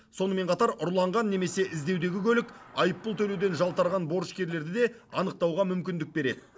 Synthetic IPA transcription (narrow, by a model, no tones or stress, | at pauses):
so̞nəme̞ɴqʰɑt̪ɑɾʊɾlˠɑɴʁɑnːe̞me̞se̞ʔɪzd̪ewd̪e̞ɡʲɪkʲʰɵlɪkʲɑjəpːəlˠt̪ʰɵlewd̪e̞nʒɑlˠt̪ɑɾʁɑnbo̞ɾʃkʲe̞ɾle̞ɾd̪ɪd̪e̞ɑnəq̚t̪ɑwʁɑmʏmkʲɪnd̪ɪk̚be̞ɾe̞d̪ɪ